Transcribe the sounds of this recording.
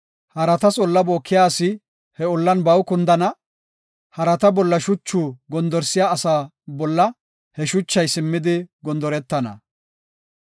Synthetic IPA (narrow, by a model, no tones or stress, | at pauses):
hɐɾɐt̪ɐsɔlːɐboːkʰːɪjaːsɪ | hɛʊlːɐnbɐwkʊnd̪ɐnɐ | hɐɾɐt̪ɐbɔlːɐʃʊt͡ʃːuːɡɔnd̪ɔɾsɪjaːsaː | bɔlːɐ | hɛʃʊt͡ʃːɐjsɪmːɪd̪ɪɡɔnd̪ɔɾɛt̪ːɐnɐ̰